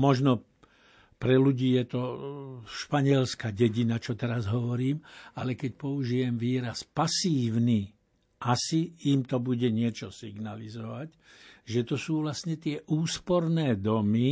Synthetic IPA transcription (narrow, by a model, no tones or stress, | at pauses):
mɔʒnɔ | pɾɛluɟiːjɛt̪ɔ | ʃpaɲɪɛlskaɟɛɟinat͡ʃɔt̪ɛɾazɦɔʋɔɾiːmalɛkɛcpɔuʒijɛmʋiːɾaspasiːʊni | ʔasiːmt̪ɔbuɟɛɲɪɛt͡ʃɔsiɡnalizɔʋac | ʒɛt̪ɔsuːʋlastɲɛt̪ɪɛʔuːspɔɾnɛːd̪ɔmi